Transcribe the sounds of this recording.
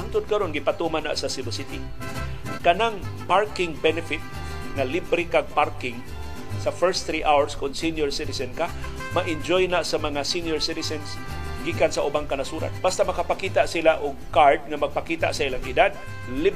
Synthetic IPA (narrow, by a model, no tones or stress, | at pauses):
amt̪ʊd̪̚kaɾonɡɪpat̪umana̰ʔsasɪbɪsɪt̪i | kanaŋpaɹkɪŋbɛnɛfɪt̪̚ | ŋalibɾikaɡ̚paɾkɪŋ | safɛɹsθɾiʔawaɹskʊnsinjʊɹsɪt̪ɪsɛnka | maʔɪnd͡ʒojnaʔsamaŋasinjʊɹsɪt̪ɪsɛns | ɡiːkansaʔʊbaŋkanasuːɾa̰t̪̚bast̪amɐkapakit̪aʔsilaʔʊɡ̚kaɹd̪̚ŋamaɡ̚pakiːt̪a̰ʔsaʔilaŋɪd̪ad̪̚ | li